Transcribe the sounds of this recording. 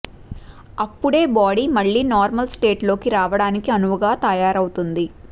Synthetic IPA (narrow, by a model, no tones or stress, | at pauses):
ɐpːuɽe̞ːbaːɽiːmɐɭːiːnaːɾmɐlsʈe̞ːʈlo̞ːkiɾaːʋɐɽaːnikiɐnuʋɐɡaːt̪ɐjaːɾɐwut̪und̪i